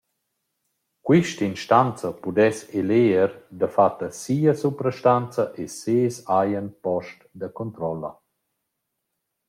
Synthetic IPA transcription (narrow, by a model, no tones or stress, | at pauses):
kwiʃtəinʃtant͡səpud̪ɛseleːɾd̪əfat̪ːəsiːəsupɾəʃtant͡saʔeseːsajənpɔʃtd̪əkont̪ɾɔlə̰